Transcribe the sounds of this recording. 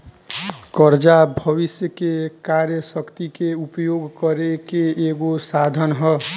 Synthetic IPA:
kʌɾd͡ʒabʱʌβisjəkekaɾjəsʌkt̪ikeupjoɡkʌɾekeːɡosad̪ʱʌnɦʌ

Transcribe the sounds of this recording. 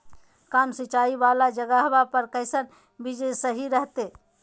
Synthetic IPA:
kamsit͡ʃaibalad͡ʒəɡəɦbapəɾkəɪsən | bid͡ʒesəɦiɾəɦt̪e

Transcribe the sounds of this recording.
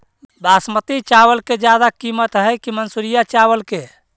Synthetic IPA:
basmət̪it͡ʃawəlked͡ʒjad̪akimət̪ɦəjkimənsuɾijat͡ʃawəlke

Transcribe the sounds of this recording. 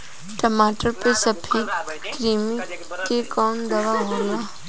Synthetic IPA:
ʈəmaːʈəɾpesəbʰʱikɾiːmi | kekɔːnd̪ɐʋaɦoːɡaː

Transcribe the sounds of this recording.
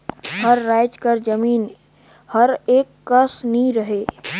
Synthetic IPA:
həɾːaːɪd͡ʒkəɾd͡ʒəmiːn | hɐɾeːkːəsniɾəɦeː

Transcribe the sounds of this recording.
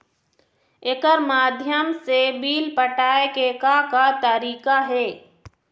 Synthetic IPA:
ekəɾmaːd̪ʱjəmsebiːlpəʈaːekeːkakat̪əɾiːkaɦɛː

